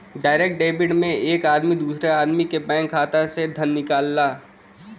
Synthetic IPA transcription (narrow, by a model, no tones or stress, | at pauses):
ɖaːɪɾeːk̚ʈ̚ɖeːbɪɖmẽʔeːkaːd̪mid̪uːsɾeaːd̪mikebɛ̃ːŋkʰːaːt̪ased̪ʱɐnːɪkaːlːaː